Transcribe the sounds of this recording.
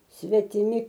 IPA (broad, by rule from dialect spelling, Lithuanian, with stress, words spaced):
sʲʋʲɛtʲɪˈmʲɪ